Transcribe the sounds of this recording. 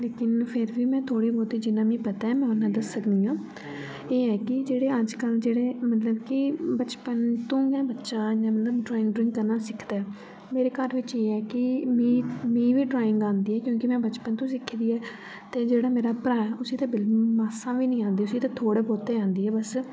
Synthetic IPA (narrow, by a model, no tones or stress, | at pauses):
leːkɪnpʰɪɾʋiːmɛ̃ːt̪ʰoːɽiːboːt̪iːd͡ʒɪnːãːmĩːpət̪aːɛːmɛ̃ːʊnːãːd̪əsːəkd̪iːãː | eːɛːkɪd͡ʒeːɽeːəd͡ʒkəld͡ʒeːɽeːmət̪ləbkɪbət͡ʃpənt̪õːɡɛ̃ːbətːʃãːjãːmət̪ləbɖɾaːɪ̃ŋɡɖɾɪ̃ŋkːəɾnaːsɪkʰd̪aːɛ | meːɾeːkəɾʋɪt͡ʃeːɛːkɪmĩːmĩːʋiːɖɾaːɪŋɡãːnd̪iːɛːkjõːkɪmɛ̃ːbət͡ʃpənt̪õːsɪkʰːd̪iːɛː | t̪eːd͡ʒeːɽaːmeːɾaːpɾaːɛʊsiːt̪ãːbɪlklmaːsãːʋiːnəĩːãːnd̪iːʊsiːt̪ãːt̪ʰoːɽeːboːt̪eːãːnd̪iːɛːbəs